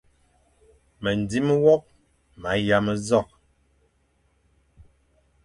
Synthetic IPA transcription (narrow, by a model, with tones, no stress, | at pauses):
mə˨n˨di˦m˦wɔ˦p̚ | ma˨˦ja˦mə˦zɔ˦˨k̚